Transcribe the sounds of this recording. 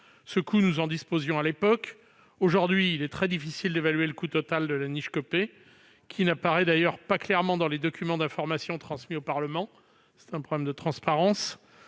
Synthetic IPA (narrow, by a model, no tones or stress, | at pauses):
səkunuzɑ̃d̪ispozjɔ̃alepɔk | oʒuʁd̪ɥiːlɛt̪χɛd̪ifisild̪evalɥeləkut̪ɔt̪ald̪əlaniʃkɔpe | kʲʰinapaʁɛd̪ajœʁpaklɛʁmɑ̃d̪ɑ̃led̪ɔkʲymɑ̃d̪ɛ̃fɔʁmasjɔ̃t̪χɑ̃smiopaʁləmɑ̃ | sɛ̥t̪ɛ̃pχɔblɛmd̪ət̪χɑ̃spaʁɑ̃s